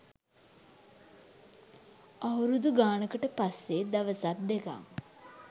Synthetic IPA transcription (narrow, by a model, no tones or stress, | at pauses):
awɾud̪uɡaːnəkəʈəpasːed̪aʋəsat̪̚d̪eka̰ŋ